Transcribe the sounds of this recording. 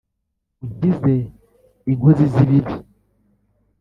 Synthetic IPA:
uɟize | iŋɡoziziβiβi

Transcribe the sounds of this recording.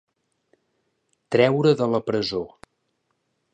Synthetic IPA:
t̪ɾɛwɾəðələpɾəzo

